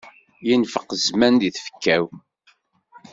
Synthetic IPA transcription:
jənfəqːəzmænd̪iθfə̥kːæw

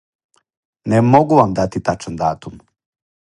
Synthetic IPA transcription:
nemoɡuʋamd̪at̪it̪at͡ʃand̪aːt̪um

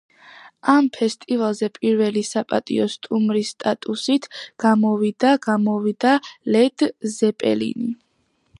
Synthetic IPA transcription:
ampʰɛst̪ʼivalˠzɛpʼiɾvɛlisapʼa̰t̪ʼḭɔst̪ʼumɾisːt̪ʼat̪ʼusit̪ʰɡ̥amɔvid̪aɡamɔvid̪alɛd̪̥zɛpʼɛ̰lḭni

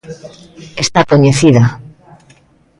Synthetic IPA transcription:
est̪akoɲeθiða

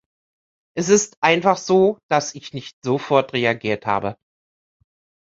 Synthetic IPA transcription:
ʔɛs̬ɪstʔaɪnfaχz̥oːd̥asɪçnɪçtz̥ofɔɐtʁeaɡiːɐtha̰ːbə

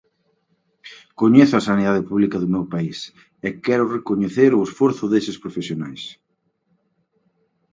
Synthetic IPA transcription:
koɲeθʊasaniðaðepuβlikaðʊmewpais | ɛkɛɾʊrekoɲeθeɾʊesfoɾθʊðesɪspɾofesjonajs

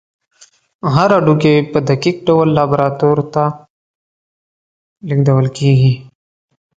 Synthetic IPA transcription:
ɦaɾaɖukepəd̪ɐkiːk̚ɖɐwəlːaːbɾaːt̪oːɾt̪a | lɪɡd̪əwəlkiːɡiː

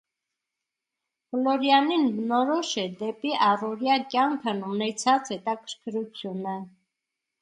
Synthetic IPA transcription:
lɔɾjɑninbənɔɾɔʃɛd̪ɛpiʔɑrɔɾjɑkjɑŋkʰənunɛt͡sʰɑt͡shɛt̪ɑkʰəɾkʰɾut͡sʰjunə

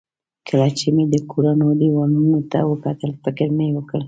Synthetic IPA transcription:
kʰaɾɑt͡ʃimed̪əkʰoɾanod̪əwanunot̪a̰wəkɑt̪əlpəɡaɾmewəkəɽ

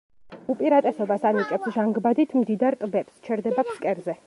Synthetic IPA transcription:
upʼiɾat̪ʼɛsɔbasanit͡ʃʼɛpsʒaŋɡbad̪it̪ʰmd̪id̪aɾt̪ʼbɛpst͡ʃʰɛɾd̪ɛbakʰskʼɛɾzɛ

